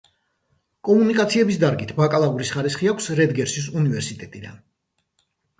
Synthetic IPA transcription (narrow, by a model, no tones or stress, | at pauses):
kʼɔmunikʼat̪sʰiɛbisd̪aɾɡit̪ʰbakʼalˠauɾisχaɾisχiakʷʰsɾɛd̪ɡɛɾʃis̬univɛɾsit̪ʼɛt̪ʼid̪a̰n